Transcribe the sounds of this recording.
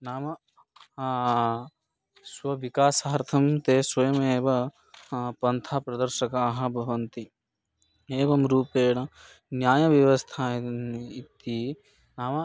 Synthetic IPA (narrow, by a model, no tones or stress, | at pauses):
naːmɐ | swɐʋikaːsaɐɾt̪ʰɐmt̪eːswɐjɐmeːbɐ | pɐnt̪ʰaːpɾɐd̪ɐɾʃɐkaːɦɐ̆bʱɐʋɐnt̪i | eːbɐmɾuːpeːɽɐ | njaːjɐʋjɐʋɐst̪ʰaːit̪i | naːmɐ